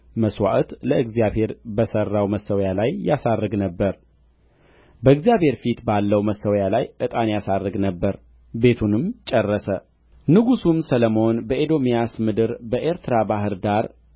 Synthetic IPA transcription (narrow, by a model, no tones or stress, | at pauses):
məswa̰ʔt̪ləɨɡzijaβhe̞ɾbəsərːawməsːəwjalajːasaɾːɨɡnəbːəɾ | bəɨɡzjaβhe̞ɾfit̪balːəwməsːəwjalajʔɨt̪ʼanjasaɾːɨɡnəbːəɾ | be̞t̪ʰunɨmt͡ʃʼərːəsə | nɨɡusumsələmo̞nbəʔed̪o̞mijasmɨd̪ɨɾbəʔe̞ɾt̪ʰɨɾabaɦɨɾd̪aɾ